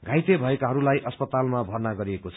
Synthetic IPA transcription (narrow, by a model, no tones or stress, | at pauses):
ɡʱãjt̪ebʱʌekaɦʌɾulajʔʌspʌt̪almabʱʌrnaɡʌɾiekot͡sʰʌ